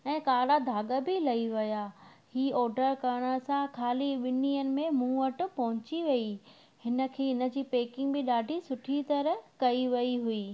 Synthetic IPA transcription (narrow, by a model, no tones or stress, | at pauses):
ɛ̃ːkaːɽad̪ʱaːɠəbɪlɐiʋɐja | hiːɔːɾɖəɾkɐɾɽ̃ə̆sãkʰaːliʋɪniːənɪ̆mẽmũːəʈʊ̆pɐɦʊ̃t͡ɕiʋɐi | hɪnə̆kʰeːɪnə̆d͡ʑiːpeːkɪ̃ŋɡbɪɗaːɖʱisʊʈʰit̪ɐɾəkɐiʋɐiɦuiː